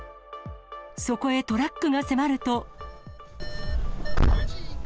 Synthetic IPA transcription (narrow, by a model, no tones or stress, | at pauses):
so̞ko̞e̞t̪o̞ɾakːɯ̟ɡase̞maɾɯ̟t̪o̞